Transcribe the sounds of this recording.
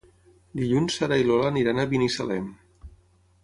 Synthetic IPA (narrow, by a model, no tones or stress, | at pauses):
d̪iʎunsaɾailolaniɾanaβinisa̰lɛm